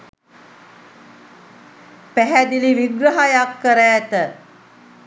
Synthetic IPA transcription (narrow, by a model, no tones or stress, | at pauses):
pæɦæd̪iliʋiɡɾəɦajakːəɾəːt̪ə